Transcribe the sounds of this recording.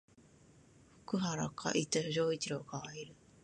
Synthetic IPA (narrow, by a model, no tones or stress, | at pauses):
hɯ̥kɯɦaɾa̰kʰa̰ʔit̪ehɯɾoitiɾokaiɾɯ